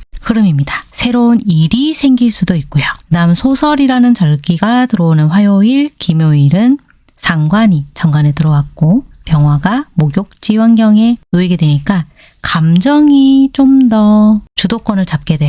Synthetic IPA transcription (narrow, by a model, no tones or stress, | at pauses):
kɯɾɯmimɲidḁsʰe̞ɾoniɾisʰe̞ŋɡiɭs͈udoik̚k͈ojonamsʰosʰʌɾiɾanɯnt͡ɕʌɭɡiɡatɯɾʌonɯnɸwajoiɭkimjoiɾɯn | sʰaŋɡwaɲit͡ɕʌŋɡwanetɯɾʌwak̚k͈opjʌŋɦwaɡamoɡjok̚t͡ɕ͈iwaŋɡjʌŋe̞noiɡe̞dweɲik͈a | kamd͡ʑʌŋit͡ɕ͈omdʌt͡ɕudok͈ʌnɯɭt͡ɕap̚k͈e̞dwe